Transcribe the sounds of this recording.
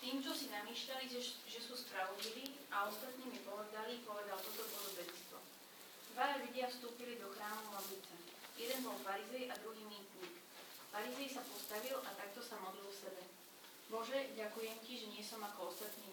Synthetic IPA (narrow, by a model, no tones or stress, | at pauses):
t̪iːmt͡ʃɔsinamiːʃʎaliʒɛsuːspɾaɔdliʋiː | aɔst̪at̪niːmipɔʋɛd̪alipɔʋɛd̪alt̪ɔt̪ɔpɾɔd̪ɔbɛɛst̪ʋɔ | d̪̥ʋaʎuɟɪafst̪uːpilid̪ɔxɾaːmulablit͡sɛ | jɛd̪ɛnbɔlfaɾizɛjʔad̪ɾuɦiːmiːt̪ɲiːk | faɾizɛjsapɔst̪aʋilʔat̪ak̚t̪ɔsamɔd̪lilfsɛbɛ | bɔʒɛɟakujɛmciʒɛɲɪɛsɔmakɔɔst̪at̪niː